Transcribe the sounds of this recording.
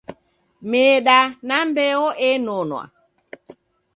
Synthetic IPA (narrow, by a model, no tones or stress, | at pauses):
meːɗanambɛɔʔɛnɔnwa̰